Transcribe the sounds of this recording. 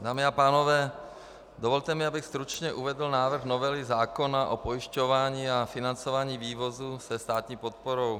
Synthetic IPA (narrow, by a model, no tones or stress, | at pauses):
d̪aːmiapaːnovɛː | d̪ovolt̪ɛmɪabɪxst̪ɾut͡ʃɲɛʔuvɛd̪l̩naːvr̩ɣnovɛlɪzaːkonaʔopojɪʃcovaːɲiːafɪnant͡sovaːɲiːviːvozusɛst̪aːt̪ɲiːpot̪̚poɾow